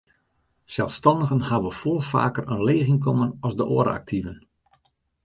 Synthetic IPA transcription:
sɛlˠfstɑndəɣənhaʋəfolˠfa̰ːkərənleːɣɪŋkomənɔzdəʔo̰əɾə̰a̰k̚tʰivən

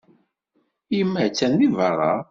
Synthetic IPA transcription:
ijəmːəʕt͡sːænðivɑɾˤɑ̰

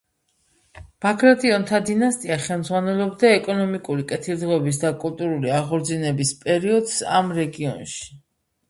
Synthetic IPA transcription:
b̥akʰɾat̪ʼiɔnt̪ʰad̪inast̪ʼiaχɛlˠmd̪zʁwanɛlˠɔbd̪aɛkʼɔnɔmikʼuɾikʼɛt̪ʰilˠd̪ʁɔɛbis̬d̪akʼulˠt̪ʼuɾuliaʁɔɾd̪zinɛbispʼɛɾiɔd̪̥sa̰mɾɛɡiɔnʃi̥

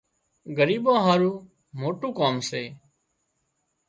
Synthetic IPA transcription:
ɡəɾiːbãːɦaːɾuː | moːʈuːkaːmseː

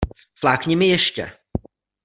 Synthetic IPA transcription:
flaːkɲɪmɪjɛʃcɛ̰

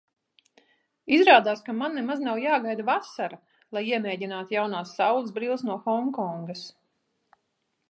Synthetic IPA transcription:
izɾaːd̪aːskamanːemaznawjaːɡajd̪avasaɾa | lˠajiɛmeːɟinaːt̪jawnaːsːawlˠsbɾiːlˠsnuɔxɔŋkɔŋɡas

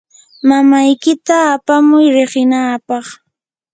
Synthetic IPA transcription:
mamajkɪt̪aːpamʊjɾɪɢɪnaːpɑχ

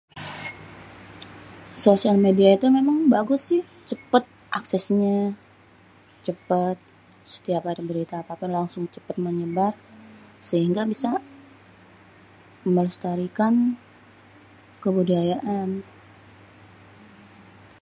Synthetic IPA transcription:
sosialmediait̪umemaŋbaɡʊsɪh | t͡ʃəpət̪̚ʔaksɛsɲa | t͡ʃəpət̪̚ | sə̥t̪iapadabəɾit̪aːpapɪnlaŋsʊŋt͡ʃəpət̪̚məɲəbarsəɦiŋɡabisa | əmələst̪aɾikan | kəbudajaʔan

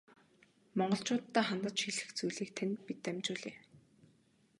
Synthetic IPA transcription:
mɔɴɢɞ̆ɬt͡ɕʊːt̪ːæːχant̪ə̆t͡ɕxiɮɘ̆xt͡sujɮiːk̚t̪ʰænpit̪ːæmʲt͡ɕʊːɮeː

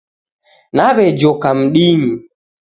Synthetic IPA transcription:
naβɛd͡ʒɔkam̩ɗiɲi

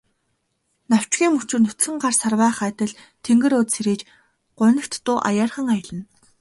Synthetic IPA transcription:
naw̥t͡ɕɡʲiːmːut͡ɕɪ̆rnɵt̪xɘ̆ŋɢarsarwæːχæːt̪ə̆ɮ | t̪ʰeŋɡɘ̆ɾoːt̪seɾiːt͡ɕ | ɢ̥ʊ̟nə̆kt̪ːʊːʔa̰jaːrχə̆ŋajə̆ɮə̆n

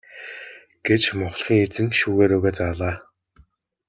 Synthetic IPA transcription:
ɡ̥et͡ɕmʊχɮχiːŋet͡sɘ̆ŋʃuːɣeːɾɵɣeːt͡saɮaː

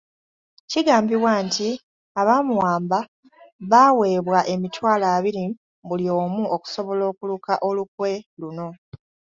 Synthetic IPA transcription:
ciɡaːmbiwaːnti | aβaːmuwaːmba | βaːwe̞ːβwaʔemitwaːlaːβiɾi | bulio̞ːmuoku̥so̞βo̞lo̞ːkulukaʔo̞luk̚we̞luno̞

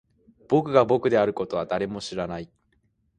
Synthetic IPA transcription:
b̥o̞kɯ̟ɡabo̞kɯ̟d̪e̞aɾɯ̟ko̞t̪o̞β̞ad̪aɾe̞mo̞ɕiɾanai

